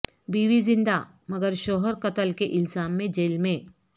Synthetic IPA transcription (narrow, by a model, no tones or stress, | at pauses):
biːwizɪ̃nd̪a | mɐɡəɾʃoːɦəɾkɐt̪əlkeʔɪlsaːmːẽd͡ʒeːlmẽ